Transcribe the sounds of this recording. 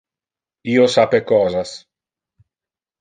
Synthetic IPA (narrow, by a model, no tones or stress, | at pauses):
iːosapekɔːzas